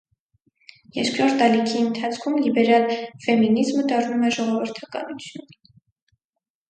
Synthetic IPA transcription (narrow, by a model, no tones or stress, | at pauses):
jɛɾkɾɔɾt̪ɑlikʰiənt̪ʰɑt͡sʰkʰumlibɛɾɑlfɛminizməd̪ɑrnumɛʒɔʁɔvəɾt̪ʰɑkɑ̰nut͡sʰjun